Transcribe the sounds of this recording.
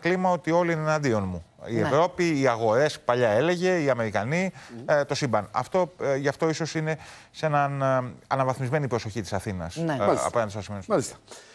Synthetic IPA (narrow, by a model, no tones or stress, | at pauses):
klimɐo̞t̪io̞liinenɐnd̪io̞nmuievɾo̞piːɐɣo̞ɾe̞spɐʎɐe̞le̞ʝe̞iɐme̞ɾikɐnit̪o̞simbɐnɐ̰ft̪o̞ʝɐft̪o̞iso̞sine̞ | se̞nɐnɐnɐvɐθmizme̞nipɾo̞so̞çit̪i̥sɐθinɐ̰snɐ̰poent̪osɐsimenalist̪ɐ̥